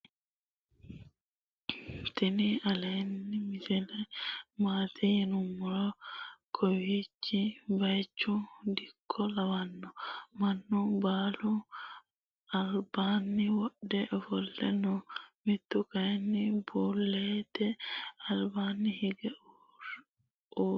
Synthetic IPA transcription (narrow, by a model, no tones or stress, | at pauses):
t̪ɛnɪɐlenːɪmɪsɛlɛmaːt̪ʰɛjɛnʊmːɔɾɔkʰɔwit͡ʃːɪbɐjt͡ʃːʊd̪ɪkʰːɔlɐwɐnːɔmɐnːʊbaːlʊ | ɐlbaːnːɪwɔɗɛʔɔfɔlːɛ̰nɔmɪt̪ːʊkɐjɛnːɪbuːlːeːt̪ɛɐlbaːnːɪhɪɡɛ